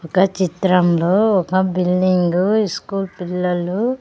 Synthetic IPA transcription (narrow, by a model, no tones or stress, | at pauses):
ɔkɐt͡ʃit̪ɾɐmloːɔkɐbilːiŋɡuiskuːlpilːɐlu